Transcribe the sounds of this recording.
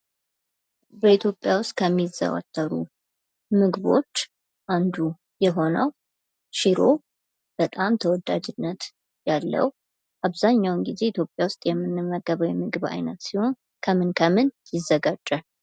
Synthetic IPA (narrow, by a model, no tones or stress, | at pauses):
bəit̪ʰjo̞pʼjawʊst̪ʼkʰəmːizə̰wa̰t̪ʰʼːəɾṵ | mɨɡβo̞̰t͡ʃː | ʔand̪u | jɛɦo̞nəw | ʃiɾo̞ | b̥ət̪ʼamt̪ʰəwɔd̪ad͡ʒɪnːət̪ | jalːə̰w | ʔaβzaɲːawnɡize̞it̪ʰjo̞pʼːjawʊst̪ʼjɛmːɨnːɨmːəɡəβəwjɛmɨɡɨβa̰jnət̪siho̞n | kʰəmɨnkʰəmɨnjɪzːəɡad͡ʒʼːa